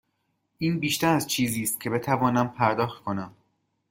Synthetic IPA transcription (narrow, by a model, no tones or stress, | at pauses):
ʔiːnbiːʃt̪æɾæzt͡ʃʰiːziːst̪̚cʰe̞be̞t̪ʰævɒːnæmpʰæɾd̪ɒːxt̪̚kʰo̞næm